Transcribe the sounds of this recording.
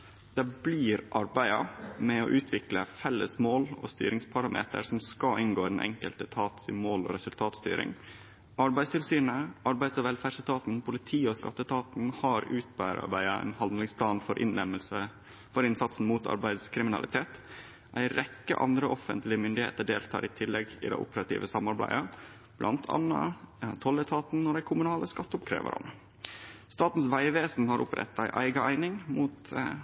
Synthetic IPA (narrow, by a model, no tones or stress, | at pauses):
d̪̥ɛbliːɾʔɑɾbæɪɑmɛɔʔʉːt̪ʰʋɪkləfɛlːəsmoːlɔ̰st̪y̰ːɾɪŋspʰɑɾɑmʔḛːt̪ə̰ɾsɔmskɑʔɪnɡoːɾɛn̩ʔɛ̰ŋkəlt̪ət̪ʰɑːt̪sɪmoːlɔ̰ːɾɛsʉlt̪ʰɑːt̪st̪y̰ːɾɪ̰ŋ | ɑɾbæɪst̪ʰɪlsyːnəɑɾbæɪd̪sɔʋɛlfæːɖʂət̪ʰɑːt̪n̩pʰʊlɪt̪ʰiːɔskɑ̰t̪ːət̪ʰɑːt̪n̩hɑɾʉːt̪̚bæːɾɑ̰ɾbæɪɑæ̰ɪnhɑnd̪lɪŋspʰlɑːnfɔɾʔɪ̰nɛməsə | fɔɾɪnsɑt̪sn̩muːt̪ʰɑ̰ɾbæɪd̪skʰɾɪmɪnɑ̰lɪt̪ʰeːt̪ | ʔæɪɾɛkːə̰ʔɑ̰nd̪ɾəʔɔfə̰nt̪lɪəmʏnd̪ɪhḛːt̪əɖeːlt̪ʰɑ̰ːɾʔɪt̪ʰɪlːɛɡɪ̰d̪æ̰ɪʔʊ̰pəɾɑt̪ʰḭːʋəsɑmːɑɾbæ̰ɪɑ | blɑ̰nt̪ʰɑ̰nːɑ̰t̪ʰɔlːət̪ʰɑːt̪n̩nɔɖæɪkʰʊmʉnɑːləskɑt̪ːəʊpkʰɾḛːʋə̰ɾɑ̰n | st̪ɑːt̪n̩sʋæɪʋeːsn̩hɑɾʔʊ̰pɾɛ̰t̪ːæɪʔæɪɡɑæɪnɪŋmuːt̪